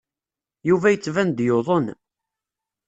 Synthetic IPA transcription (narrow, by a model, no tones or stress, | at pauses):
juvæjət͡sːvænd̪joðˤən